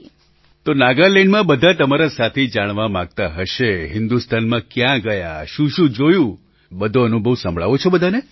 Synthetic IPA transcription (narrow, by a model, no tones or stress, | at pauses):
t̪onaɡaleɳɖmãbəd̪ʱat̪əmaɾasat̪ʰed͡ʒaɽ̃ʋamãɡ̚t̪aɦəʃeɦɪnd̪ust̪anmãkjãɡəja̰ʃũʃũd͡ʒojũ | bəd̪ʱoənubʱəʋsə̃mbʱɭa̰ʋot͡ʃʰebəd̪ʱane